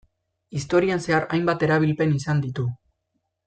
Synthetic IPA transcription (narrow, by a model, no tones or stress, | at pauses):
ist̪o̞ɾianse̞aɾa̰jmbat̪e̞ɾaβ̞ilpe̞nisand̪it̪u